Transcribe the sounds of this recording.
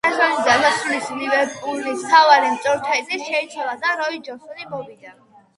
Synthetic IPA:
asɔnid̪asasulislivɛɾpʼulnist̪ʰavaɾimt̪sʼɔɾt̪ʰɛɛt̪ʰʼiʃɛit̪sʰwalad̪aɾɔid͡ʒɔnsɔnimɔvid̪an

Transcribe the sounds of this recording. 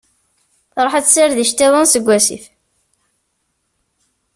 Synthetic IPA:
θɾˤoħat͡sːsaɾðiʃt̪iðˤənsəɡʷːæsḭf

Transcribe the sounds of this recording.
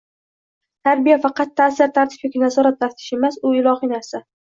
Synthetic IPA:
t̪ʰaɾbijafɑqɑt̪ʰːasɪɾt̪ʰaɾt̪ʰɪ̥pjokʲɪnazɒɾat̪laɾt̪ʰɪ̥ʃe̞masʊɪlˠɒhinaɾsa

